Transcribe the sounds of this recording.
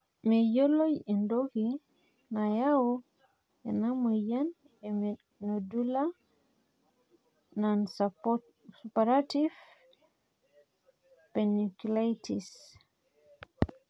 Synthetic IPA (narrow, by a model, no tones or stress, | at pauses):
mɛjɔlojɛndoɡi | najawɔ | ɛ̰namujan | ɛm | nodula | nan | supaɾativ | pɛnikulajtis